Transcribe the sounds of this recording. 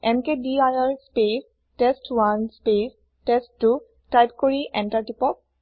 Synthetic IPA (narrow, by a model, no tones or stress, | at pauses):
ɛmkediajaɹspes | tesʈwanspes | tesʈːu | ʈajpkoɹiʔɛnʈaɹʈipɔk̚